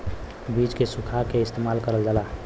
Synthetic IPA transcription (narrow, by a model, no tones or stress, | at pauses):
bit͡ʃkesukʰakeɪst̪emalkəɾəld͡ʒala